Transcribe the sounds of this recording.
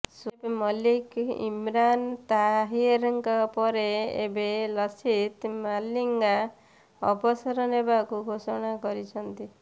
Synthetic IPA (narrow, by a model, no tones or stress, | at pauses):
sepmɔlikḭmɾant̪aɦieɾɔŋkɔpɔɾeḛbelɔsit̪maliŋɡa | ɔbɔsɔɾɔnebakuɡʱosɔɽ̃akɔɾit͡ʃʰɔnt̪i